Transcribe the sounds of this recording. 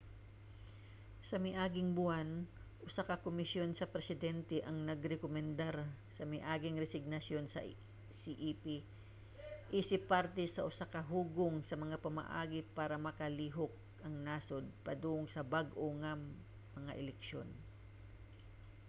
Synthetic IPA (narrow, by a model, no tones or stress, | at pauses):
sɐmɐʔaːɡɪŋbʊanʔʊsakɐkomɪsjo̞nsɐpɾɛsɪd̪ɛnt̪ɛʔɐŋnɐɡɾɛkomɛnd̪aɾsɐmɪʔaːɡɪŋɾɛsɪɡ̚nɐsjo̞nsɐ̰ | siʔipi | ʔisɪpːaɾt̪ɛsɐʔʊsakɐɦuːɡoŋsɐmɐŋapɐma̰ʔa̰ːɡɪpaːɾɐmɐkɐliːɦok̚ | ʔɐŋnaːsod̪̚pɐd̪uːʔʊŋsɐbaɡʔoŋɐ | mɐŋa̰ʔɛlɛkʃjo̞n